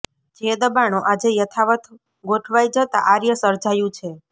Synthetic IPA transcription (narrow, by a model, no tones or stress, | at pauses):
d͡ʒed̪əbaɳ̃õʔad͡ʒejət̪ʰaʋət̪ | ɡoʈʰʋajd͡ʒət̪a̰ʔaɾjəsəɾd͡ʒajũt͡ʃʰe